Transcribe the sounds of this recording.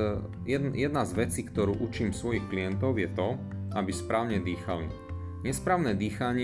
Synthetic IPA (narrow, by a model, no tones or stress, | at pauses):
jɛjɛd̪nazʋɛt͡siːkt̪ɔɾuːʔut͡ʃiːmsʋɔjixklijɛnt̪ɔʊjɛt̪ɔʔabispɾaːʊɲɛd̪iːxalḭ | ɲɛspɾaːʊnɛːd̪iːxaɲɪ